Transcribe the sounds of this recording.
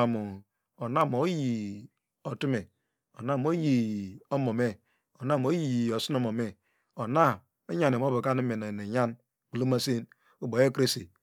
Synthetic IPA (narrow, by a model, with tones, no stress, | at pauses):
a˨mu˨ | o˨na˦˨m˨o˨˦ji˨ | o˨tu˦me˨ | o˨na˦˨m˨˦o˦ji˨o˦mo˨me˦ | o˨na˦˨m˨o˦ji˦˨ji˨o˨si˦no˦mo˨me˨ | o˨na˦˨ | o˦ɲa˨n˨e˨m˦o˦bu˨ka˦ni˦me˨ne˨ne˨ɲa˦n | k͡pu˨lo˦ma˦se˦n | u˦bo˨je˦kɾe˦se˨